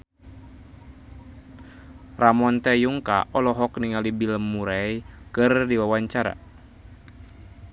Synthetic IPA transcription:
ramɔnt̪ɛjuŋka̰ʔɔlɔɦɔk̚niŋalibiləmːuɾajkɨrdiwawaɲt͡ʃaɾa̰

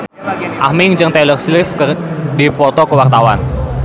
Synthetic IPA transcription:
ʔahmɪŋd͡ʒɨŋt̪ɛlərslɪfkərdipɔt̪ɔkəwart̪awan

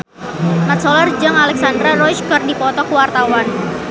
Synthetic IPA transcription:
mat̪sɔlard͡ʒaŋalɛk̚sandɾaɾɔjt͡ʃkərdipɔt̪ɔkuwart̪awan

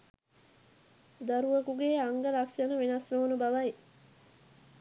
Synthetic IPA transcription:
d̪aɾuʋɐkuɡeːaŋɡəlakʃənəʋenasnoːnubaʋɐj

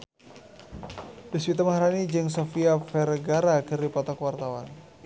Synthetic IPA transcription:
b̥iswit̪amahɾanid͡ʒɨŋsofiafɛɾɡaɾakɨɾipat̪akwart̪awa̰n

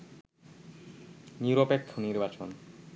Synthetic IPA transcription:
niuɾopek̚t̪ʰoniɾbat͡ɕon

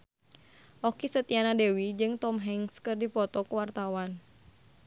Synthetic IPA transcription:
ʔɔkisət̪ianadewid͡ʒɨŋt̪ɔmɦɛŋskɨrdipɔt̪ɔkuwart̪awan

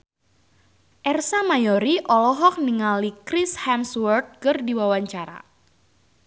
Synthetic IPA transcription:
ʔɛrsamajɔɾiʔɔlɔɦɔk̚niŋalikɾishamswərt̪̚kɨrdiwawaɲt͡ʃaɾa̰

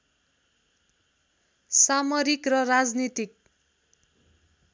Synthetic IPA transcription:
samʌɾikrʌrad͡znit̪ik̚

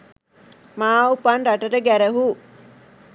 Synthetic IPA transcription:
maːupanɾaʈəʈəɡæɾəɦu

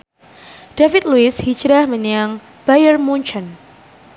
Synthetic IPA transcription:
d̥afɪt̪̚luɪshi̥d͡ʒɾahməɲəaŋ | b̥ajərmuɲt͡ʃɔn

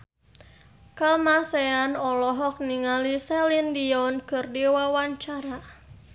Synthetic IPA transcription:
kamaseanɔlɔɦɔk̚niŋalisɛlindiɔnkɨrdiwawaɲt͡ʃaɾa

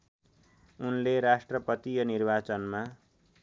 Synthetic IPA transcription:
unleɾasʈrʌpʌt̪ijʌnirbat͡sʌnma

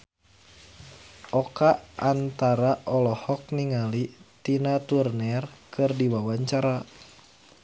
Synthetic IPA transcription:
ʔɔkaʔʔant̪aɾaʔɔlɔhɔk̚niŋalit̪inat̪urnɛrkʰɨrdiwawaɲt͡ʃaɾa

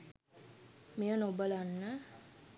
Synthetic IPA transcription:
mijənobəlanːə

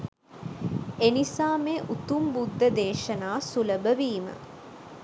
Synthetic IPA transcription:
enisaːmeʔut̪umbud̪ʱːəd̪eːʃɐnaːsuləbəʋiːmə̰

